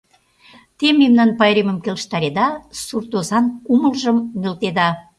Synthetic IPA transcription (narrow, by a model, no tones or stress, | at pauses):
t̪ememnɑnpɑjɾeməmkʲelʃt̪ɑɾed̪ɑsurt̪ozɑnkuməlʒəmːølt̪ed̪ɑ